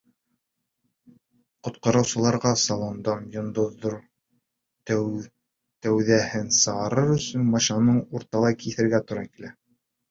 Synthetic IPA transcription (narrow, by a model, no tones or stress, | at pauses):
qŏt̪̚qɑɾɤ̆wsɤ̆lˠɑɾʁɑsɑlˠond̪ɑmjŏnd̪ŏðːoɾ | t̪æwðæhɘnsɤ̆ʁɑɾɤɾɵ̆sɵnmɑʃɑnɤɴuɾt̪ɑlˠɑkiθɘ̆ɾɡæt̪ŏɾɑkilæ